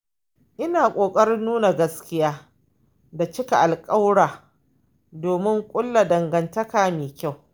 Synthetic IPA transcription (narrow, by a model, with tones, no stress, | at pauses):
ʔɪ˦naː˨kʷʼoː˨kʼɐ˦ɾɪ˦nːuː˦na˨ɡɐ˦skʲɪ˦jaː˦ | da˨t͡ʃɪ˦ka˨ʔa˨lkʼa˦wɽaː˨ | doː˨mɪ˦ŋkʷʼʊ˦lːa˨dɐ˨ŋɡɐ˨ntɐ˦kaː˨meː˨kʲa˦˨w